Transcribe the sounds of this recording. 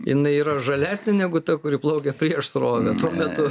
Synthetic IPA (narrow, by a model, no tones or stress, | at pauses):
jɪ̰nɐɪiːɾɐʒɐlʲæːsʲnʲɪnʲæɡʊt̪ɐkʊɾʲiːplˠɐʊkʲɛpʲɾʲiɛʃsroːʋʲɛt̪uɔmʲɛt̪ʊ